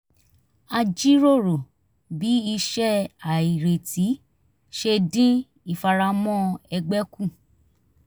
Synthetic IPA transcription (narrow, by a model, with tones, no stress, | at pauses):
a˧d͡ʒi˦ɾo˦˨ɾo˨ | bi˨˦i˧ʃɛ˦a˨i˨ɾe˨ti˨˦ | ʃe˧dĩ˦ | i˦˨fa˧ɾa˧mɔ̃˦ɛ˧ɡ͡bɛ˦kũ˦˨